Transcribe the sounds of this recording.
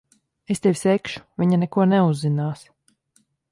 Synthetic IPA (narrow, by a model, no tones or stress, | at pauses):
est̪ɛvʲsɛkʃu̥vʲiɲanɛkuɔnɛuzːinaːs